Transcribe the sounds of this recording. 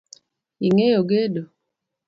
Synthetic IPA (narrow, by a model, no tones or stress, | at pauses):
iŋejoɡedo